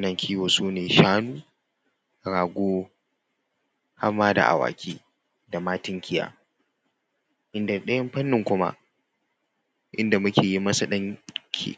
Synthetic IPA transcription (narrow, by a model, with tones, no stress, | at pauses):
nɐ˨ŋkʲʰiː˦woː˨suː˦neː˨ʃaː˦nuː˦ | ɾaː˨ɡʷoː˦ | ha˦mːaː˦da̰˨ʔa̰˨wa̰ː˨kʲʰiː˦ | da˨maː˦tɪ˦ŋkʲʰɪ˦ja̰ː˦ | ʔɪ˦nda˨ɗɐ˦jɐ˦mɸɐ˦nːɪ˨ŋkʷʊ˦ma̰˦ʔ | ʔɪ˦nda˨mʊ˦kʲeː˨ji˦mɐ˦sa˨ɗɐ˦ŋkʲʰḭ˦˨